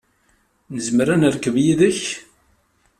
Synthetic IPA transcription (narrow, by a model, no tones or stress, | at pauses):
nəzməɾænəɾkːəvjiðəç